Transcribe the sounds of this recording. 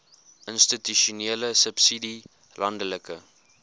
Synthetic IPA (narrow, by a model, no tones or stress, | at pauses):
ʔənstityʃuneːləsəpsidi | lɐndələkə